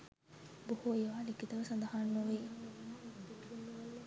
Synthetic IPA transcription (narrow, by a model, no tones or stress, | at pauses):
buhujeʋaːlikit̪ɐʋɐsɐnd̪ɐɦanːuʋiː